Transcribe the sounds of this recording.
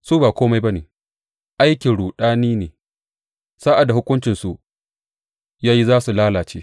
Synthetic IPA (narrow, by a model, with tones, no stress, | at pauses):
suː˦baː˨kʷoː˦ma˦jba˦nḛː˨ | ʔa˦jkʲɪ˨ɽuː˨ɗaː˦niː˦neː˨ | sa˦ʔa˨dːa˨hʊ˦kʷʊ˦nt͡ʃɪ˨nsu˨ | jaː˦ji˦zaː˦su˨laː˦laː˨t͡ʃḛː˦